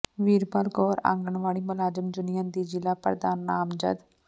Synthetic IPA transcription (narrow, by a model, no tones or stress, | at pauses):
ʋiːɾbalɡɔːɾã̰ːŋɡəɳʋaːɭiːmʊlaːd͡ʒəmd͡ʒʊnijãːnd̪iːd͡ʒɪlaːpəɾd̪aːnːaːmd͡ʒə̰d̪